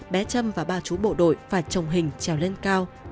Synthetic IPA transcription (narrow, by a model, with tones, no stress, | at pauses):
ɓɛ˨˦t͡ɕə˧mvaː˨˩ɓaː˧˩t͡ɕu˨˦ɓo̰˧˨ɗo̰˧˨jfaː˧˩jt͡ɕə˨˩wŋ͡mɦï˨˩ŋ̟t͡ɕɛ˨˩wle˧nkaː˧w